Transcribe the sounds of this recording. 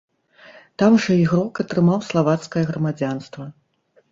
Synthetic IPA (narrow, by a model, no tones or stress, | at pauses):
t̪amʐɐiɣɾɔkɐt̪ɾɨmawslˠavat̪skɐjɐɣɾɐmad͡zʲanst̪vɐ